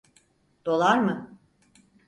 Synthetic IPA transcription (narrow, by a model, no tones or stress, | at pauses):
d̪̥o̞lˠaɾmɯ